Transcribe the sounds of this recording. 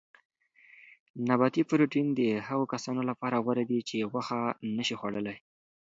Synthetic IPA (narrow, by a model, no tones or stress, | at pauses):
nabɑt̪ifɾoʈind̪əhaɣokasɑnolapɑɾaɣwaɾad̪it͡ʃeɣwaxanəʃixwaɽəlaj